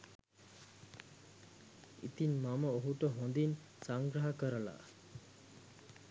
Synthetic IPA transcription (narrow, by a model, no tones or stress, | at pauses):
ḭt̪inmaməoɦuʈəɦond̪in | saŋɡɾaɦakəɾəla̰